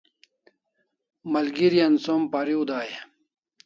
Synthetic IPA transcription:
mɐlɡiɾijɐnsompaɾiud̪aːje

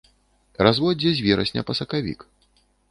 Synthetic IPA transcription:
razvɔd͡zʲɛzʲvʲɛɾɐ̰sʲnʲɐ̰pɐsɐkavʲḭk

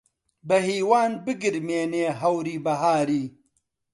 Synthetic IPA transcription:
bɐɦiːwaːnbɨɡɨɾmeːneːɦɐwɾiːbɐɦaːɾiː

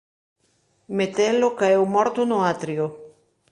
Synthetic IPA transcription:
met̪elokaewmɔɾt̪onoat̪ɾjo

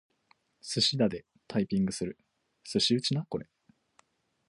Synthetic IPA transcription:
sɨɕid̪ad̪e̞ | t̪ʰaipʲĩŋɡɯ̟sɨɾɯ̟ | sɨɕiɯ̟t͡ɕinakoɾe

